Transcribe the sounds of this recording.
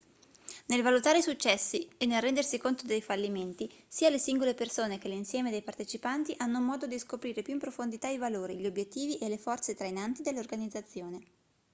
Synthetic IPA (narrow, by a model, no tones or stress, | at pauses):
nelvalut̪aːɾeisut͡ʃːɛsːienːelrɛnd̪ersikont̪od̪ejfalːiment̪isiːalesiŋɡolepersoːnek̟elːinsjɛːmed̪ejpart̪et͡ʃipant̪iʔanːomɔːd̪od̪iskopɾiːɾepjuimpɾofond̪it̪aivaloːɾiʎiobjet̪ːiːviʔelefɔrt̪set̪ɾainant̪id̪elːorɡanid̪zat̪sːjoːne